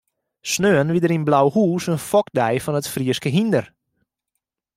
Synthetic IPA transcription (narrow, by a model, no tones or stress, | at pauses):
snøːənʋidəɾinblawhuːsənfɔk̚dɛjfɔnətfriəskəɦindər